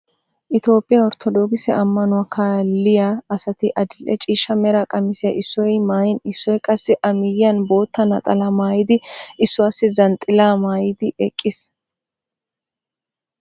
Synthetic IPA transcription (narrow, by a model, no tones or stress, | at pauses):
ʔɪt̪o̞ːpʼːɪjaɔɾt̪ʰɔd̪o̞ːɡɪsɛʔɐmːɐnʊwɐkʰaːlːɪjaːɐsɐt̪ɪʔɐd̪ɪlʔɛt͡ʃʼiːʃːɐmɛɾakʼɐmɪsɪjɐʔɪsːɔjmaːjɪnɪsːɔjkʼɐsːɪʔɐmɪjɐnbo̞ːt̪ːɐnɐt̪ʼɐlɐmaːjɪd̪ɪɪsːʊwaːsːɪzɐnt̪ʼɪlaːmaːjɪd̪ɪʔɛkʼːɪs